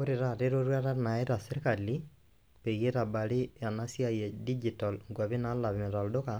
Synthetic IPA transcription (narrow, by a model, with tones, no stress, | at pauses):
oɾeɾa˨teɾoɾwa˦ɾa˦na˨eɾa˨seɾikali | pe˨je˦ta˨ba˨li˦a˨nasja˦je˨di˦d͡ʒitalŋɡwa˨βi˦na˦la˨βime˨ta˨ldo˦ka